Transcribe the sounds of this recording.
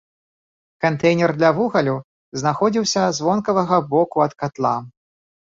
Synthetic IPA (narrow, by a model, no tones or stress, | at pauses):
kant̪ɛjnʲɛrd̪lʲɐvuɣɐlʲu | znaxɔd͡zʲiwsʲɐzvɔnkɐvɐɣɐbɔkuɐt̪kat̪lˠa